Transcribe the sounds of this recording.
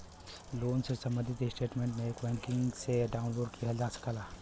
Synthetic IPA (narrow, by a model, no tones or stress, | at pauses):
loːnsesɐ̃mbə̃nd̪ʱɪt̪esʈeːʈmẽɳʈmẽeːkbɛ̃ːŋkɪŋɡseɖaːʊnloːɖkʰiɦɐd͡ʒaːskʰəlaː